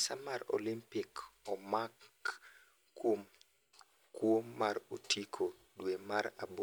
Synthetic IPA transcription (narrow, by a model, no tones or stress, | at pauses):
samaɾo̰limpɪkɔmak | wom | kwomːaɾotʰikʰo | dwemaɾa̰bo